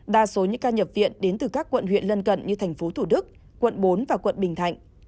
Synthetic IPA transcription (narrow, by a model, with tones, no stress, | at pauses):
ɗaː˧˩so˨˦ɲɨ˧kaː˧ɲə˨˩p̚vḭ˧˨ənɗe˨˦nt̪ɨ˨˩kaː˦˥kːwə̰˧˨nɦwḭ˧˨ənlə˧nkə̰˧˨nɲɨ˧t̪ʰɛ˨˩jŋ̟fo˨˦t̪ʰu˧˩ɗɨ˦˥k̚ | kwə̰˧˨nɓo˨˦nvaː˨˩kwə̰˧˨nɓï˨˩ŋ̟t̪ʰa̰˧˨jŋ̟